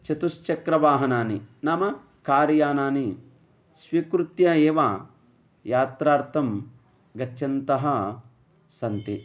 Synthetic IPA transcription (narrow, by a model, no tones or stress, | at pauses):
t͡ʃɐt̪ust͡ʃɐkɾɐʋaːɦɐnaːninɐmɐ | kaːɾjaːnaːni | sʋiːkɾut̪jɐeːʋa | jaːt̪ɾaːɾt̪ʰɐm | ɡɐːt͡ʃʰɐnt̪ɐɦɐ̆ | sɐnt̪i